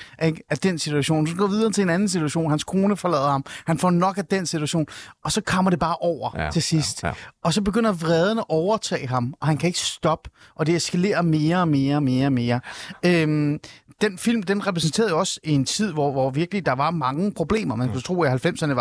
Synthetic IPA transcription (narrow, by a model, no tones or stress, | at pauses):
ʔeɡ̥æd̥ensit͡sʰuæɕo̝̰ːnsɒɡ̥ɒ̰ʋið̞ˠɐt͡sʰe̝enænn̩sit͡sʰuæɕo̝̰ːnhænskʰo̝ːnəfɒ̽lɛ̰ːðˠɐhɑ̈mhænfɒnɒ̽ɡ̥æd̥ensit͡sʰuæɕo̝̰ːnɒ̽sɒ̽kʰɒ̽m̰ɐɾ̥e̝b̥ɑ̈ːʔɒʊ̰ɐt͡sʰe̝sisd̥ɒ̽sɒ̽b̥e̝ɡ̥øn̰ɐʋʁɛːð̞ˠənəɒʔɒʊɐt͡sʰɛ̰ːɪɦɑ̈mɒ̽hænkʰæe̝ɡ̥ə̥sd̥ɒ̽b̥əʔɒ̽d̥eesɡ̥æle̝̰ːɐme̝ːɐɒme̝ːɐme̝ːɐme̝ːɐømd̥enfil̰md̥enʁɛpʰʁɛs̬n̩t͡sʰe̝ːɐðˠjo̝ɒ̽sie̝nt͡sʰið̞̰ˠʋɒʋɒʋiɐɡ̥lid̥ɑ̈ʋɑ̈mɑ̈ŋəpʰʁo̝b̥le̝̰ːmɐmenkʰut͡sʰʁo̰ːihælfem̰sɐnəɑ̈